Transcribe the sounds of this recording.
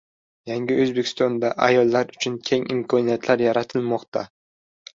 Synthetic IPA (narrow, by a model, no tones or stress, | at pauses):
jaŋɡʲɪɵzbekʲʰɪst̪ɒnd̪aʔajɒlˠːaɾʊt͡ʃʰʊnkʲʰe̞ŋɪmkʰɒnijat̪ʰlaɾjaɾat̪ʰɪlmɒqt̪ʰa